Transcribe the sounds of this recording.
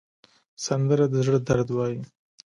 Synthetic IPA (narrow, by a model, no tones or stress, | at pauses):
sand̪əɾad̪əzɽəd̪aɾd̪wɑji